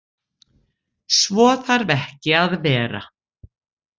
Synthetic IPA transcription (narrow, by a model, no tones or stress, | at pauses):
svɔːθaɾvɛhcɪaðvɛːɾa̰